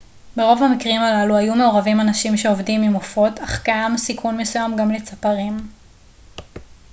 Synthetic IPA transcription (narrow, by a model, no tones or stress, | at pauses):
be̞ʁo̞vhamikʁimalaluajume̞o̞ʁavimanaʃimʃe̞ovdimimofo̞taχkaamsikʰunmesujamɡamle̞t͡sapaʁim